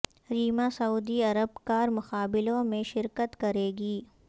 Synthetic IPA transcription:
ɾiːmasɐuːd̪iɐɾəbkaːɾmʊqaːbɪlõmẽʃɪɾkət̪kɐɾeːɡiː

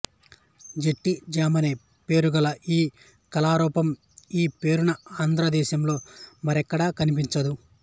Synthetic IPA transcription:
d͡ʒeʈːid͡ʒaːmɐneː | pe̞ːɾuɡɐlɐiː | kɐlaːɾɔːpɐm | iːpe̞ːɾunɐaːnd̪ʱɾɐd̪ɛːʃɐmlo̞ːmɐɾɛkːɐɽaːkɐnip̬iɲt͡ʃɐd̪u

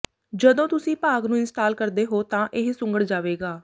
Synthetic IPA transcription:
d͡ʒəd̪õːt̪ʊsĩːpaːɡnũːɪnsʈaːlkəɾd̪eːɦoːt̪ãːʔɪɦsʊ̃ŋɡəɽd͡ʒaːʋeːɡaː

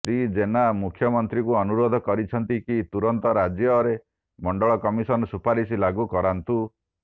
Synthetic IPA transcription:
sɾid͡ʒenamukʰjɔmɔnt̪ɾikuɔnuɾod̪ʱɔkɔɾit͡ʃʰɔnt̪ikit̪uɾɔnt̪ɔɾad͡ʒjɔɾe | mɔɳɖɔɭɔkɔmisɔnɔsupaɾis̬ilaɡukɔɾant̪u

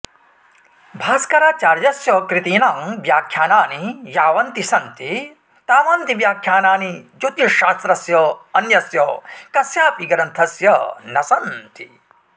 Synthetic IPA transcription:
bʱaːskɐɾaːt͡ʃaːɾd͡ʒɐsjɐkɾit̪iːnamʋjaːkʰjaːnaːnijaːʋɐnt̪isɐnt̪i | t̪aːmɐnt̪iʋjaːkʰjaːnaːnid͡ʒot̪jiʃaːst̪ɾɐsjɐɐnjɐsjɐkɐsjaːpiɡɐɾɐnt̪ʰɐsjɐnɐsɐnt̪i

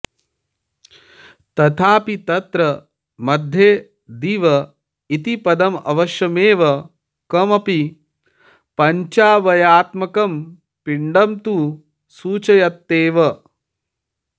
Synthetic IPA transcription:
t̪ɐt̪ʰaːpit̪ɐt̪ɾɐ | mɐd̪ʱjeː | d̪iʋɐ | it̪ipɐd̪ɐmɐ̰ʋɐʃjɐmeːʋɐ | kɐmɐpi | pɐɲt͡ʃaːʋɐjaːt̪mɐkɐm | piɳɖɐmt̪u | suːt͡ʃɐjɐt̪ːeːʋɐ

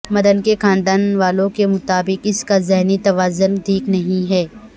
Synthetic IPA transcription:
mɐd̪ənkekãːɳɖaːnʋaːlõkemʊt̪aːbɪqɪskazɛɦnit̪ɐʋaːzʊnd̪ʱiːknɐɦĩɦɛː

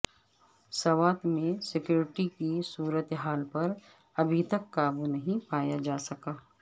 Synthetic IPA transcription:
sɐʋaːt̪mẽsɪkjuːɾɪʈikisuːɾət̪ɦaːlpɐɾ | ɐbʱit̪ɐkːaːbunɐɦĩpaːjad͡ʒaːsɐkaː

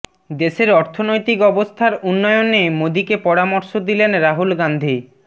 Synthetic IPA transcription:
d̪eʃeɾɔɾt̪ʰonojt̪ikɔbost̪ʰaɾunːɔjonemod̪ikepɔɾamoɾʃod̪ilenɾaɦulɡand̪ʱi

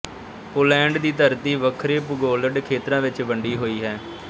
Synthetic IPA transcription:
poːlɛ̃ːɳɖd̪iːt̪əɾt̪iːʋəkʰɾeːpʊɡoːləɖkʰeːt̪ɾãːʋɪt͡ʃʋəɳɖiːɦoːiːɦɛː

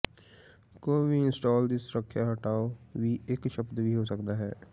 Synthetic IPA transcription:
koːibʱiɪ̃nsʈɔːld̪ɪsɾəkʰːjaɦɐʈaːobiʔeːkʃəbd̪bʱiɦosəkd̪aɦɛː

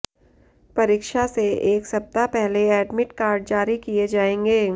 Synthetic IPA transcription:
pɐɾiːkʃaseeːksɐp̚t̪apɛɦleɛːɖmɪʈkaːɾɖ̚d͡ʒaːɾikied͡ʒaːẽːŋɡeː

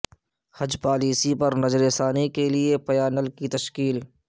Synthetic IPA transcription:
hɐd͡ʒpaːliːsipɐɾnɐd͡ʒɾesaːnikeliepɐjaːnəlkit̪ɐʃkiːl

